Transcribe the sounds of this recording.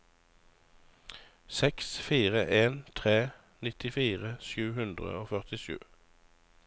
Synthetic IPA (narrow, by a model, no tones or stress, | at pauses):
sɛksfiːʁəʔeːnt̪ʰʁeː | nɪt̪ɪfiːʁəsjʉːhʉnd̪ʁə̰oːfœʁt̪ɪʃʉ̰ː